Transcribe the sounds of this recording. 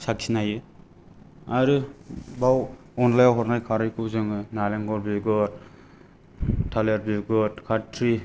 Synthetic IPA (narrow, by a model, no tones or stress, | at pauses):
sak̚sʰinajɯ | aɾɯbaw | ɔnlajawɦɔɾnajkʰaɾɯjkʰɯwzɯŋɯnaleŋɡɔɾbiɡɔɾ | tʰaleɾ̚biɡɔtkʰatʰɾi